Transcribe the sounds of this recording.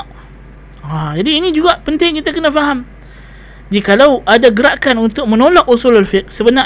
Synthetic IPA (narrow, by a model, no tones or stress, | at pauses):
ad͡ʒadiːnĩd͡ʒuɡaʔpənt̪ɪŋkit̪akənãfaɦam | d͡ʒikalawadaɡəɾaʔkanunt̪ʊk̚mə̃nolɔkusulalfɪk̚səbəna